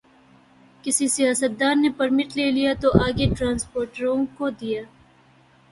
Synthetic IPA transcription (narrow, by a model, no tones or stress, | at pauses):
kɪsisijaːsət̪̚d̪aːɾnepɐɾmɪʈleːlijat̪oʔaːɡeʈɾãːnspoːɾʈɾõkod̪ijaː